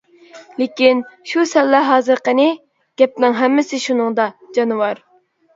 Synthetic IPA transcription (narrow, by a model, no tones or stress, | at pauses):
lɪkʲinʃusɛlːɛɦɑːzɨɾqənɪ | ɡ̥ʲɛp̚nɪŋɦɛmːɪsɪʃunɨŋd̪ɑd͡ʒɑnɨwɑɾ